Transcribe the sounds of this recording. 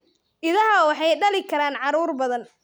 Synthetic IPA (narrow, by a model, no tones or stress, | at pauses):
ʔɪðɐɦɐwɑħɑjɖɐlɪkʰɐɾaːnʕɑɾuːrbɐðɐn